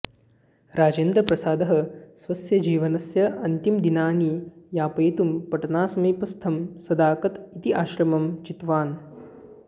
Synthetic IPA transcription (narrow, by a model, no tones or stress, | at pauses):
ɾaːd͡ʒeːnd̪ɾɐpɾɐsaːd̪ɐɦɐ̆sʋɐsjɐd͡ʒiːʋɐnɐsjɐʔɐnt̪imd̪inaːnijaːpɐjɐt̪umpɐʈɐnaːsɐmiːpɐst̪ʰɐmsɐd̪aːkɐt̪it̪iʔaːʃɾɐmɐmt͡ʃit̪ʋaːn